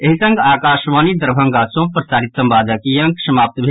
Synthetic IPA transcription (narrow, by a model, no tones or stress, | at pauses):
eɦisɐ̃ŋɡaːkaːʃʋaːnid̪əɾbʱɐ̃ŋɡasõpɾɐsaːɾit̪sɐ̃mbaːd̪ɐkijɐ̃ŋkʃɐmaːp̚t̪bʱe